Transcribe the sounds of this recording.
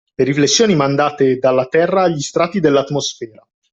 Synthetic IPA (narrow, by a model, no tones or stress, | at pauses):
leɾiflesːjoːnimand̪aːt̪ed̪alːat̪ɛrːaːʎːist̪ɾaːt̪ːid̪elːat̪mosfɛːɾa